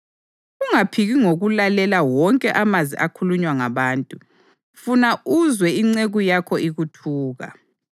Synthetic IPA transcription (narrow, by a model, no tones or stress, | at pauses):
uŋapʰiɣiŋoɣulalɛlawɔŋkʼɛʔamazḭʔakʰuluɲwaŋaβaːntʼu | funauzwɛiŋ͡ǀeɣujakʰɔiɣutʰuːɣa̰